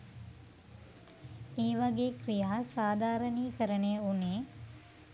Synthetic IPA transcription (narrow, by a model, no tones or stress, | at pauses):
eːʋaɡeːkɾijaːsaːd̪ʱaːɾəniːkəɾənejəuneː